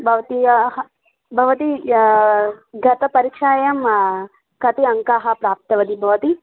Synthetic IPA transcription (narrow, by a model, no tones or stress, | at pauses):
bʱɐʋɐt̪ijɐɦɐ | bʱɐʋɐt̪i | ɡʱɐt̪ɐpɐɾikʂaːjɐm | kɐt̪iɐŋkaːɦɐpɾaːp̚t̪ɐʋɐd̪ibʱɐʋɐt̪i